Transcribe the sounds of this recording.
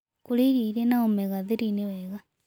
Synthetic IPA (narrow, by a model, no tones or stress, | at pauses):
kuliɾiɾenaomeɣaðeɾineweɣa